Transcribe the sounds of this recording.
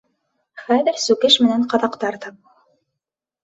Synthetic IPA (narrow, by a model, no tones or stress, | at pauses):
χæðɘ̆ɾsʉkɘʃmɘ̆nænqɑðɑqt̪ɑɾt̪ɑp̚